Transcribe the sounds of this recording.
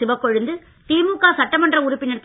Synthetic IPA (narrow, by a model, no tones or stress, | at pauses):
ɪʋɐkːɔɻɯnd̪ɯ | t̪iːmuːkːaːsɐʈːɐmɐnɖrɐʊɾɪpːɪnɪɽɐt̪ː